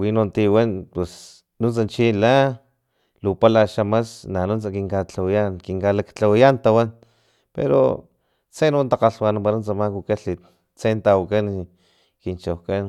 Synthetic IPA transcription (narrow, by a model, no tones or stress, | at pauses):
winont̪iwanpwes | nunt͡sant͡ʃila | lupalaʃamasnanunt͡sakiŋkat͡ɬawijankiŋkalakt͡ɬawijant̪awan | pḛɾo̰ | t͡senwant̪aqaɬwanampaɾunt͡samakukaɬi | t͡sent̪awakan | kint͡ʃowkan